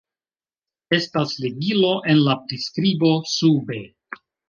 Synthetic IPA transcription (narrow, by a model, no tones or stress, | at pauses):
e̞stasleɡilo̞ʔe̞nlapɾiskɾibo̞sube̞